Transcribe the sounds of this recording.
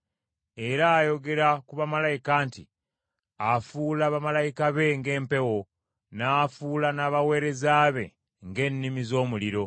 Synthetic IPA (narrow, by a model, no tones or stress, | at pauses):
e̞ɾaːjo̞ɡe̞ɾakuβamalajikaːntḭ | afuːlaːβamalajikaβe̞ŋɡe̞ːmpe̞wo̞ | naːfuːlanaːβawe̞ːɾe̞zaːβe̞̰ | ŋɡe̞ːnːimizo̞ːmuliɾo̞